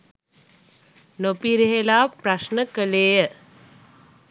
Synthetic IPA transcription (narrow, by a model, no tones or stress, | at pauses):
nopiɾeɦelaːpɾɐʃnəkəleːjə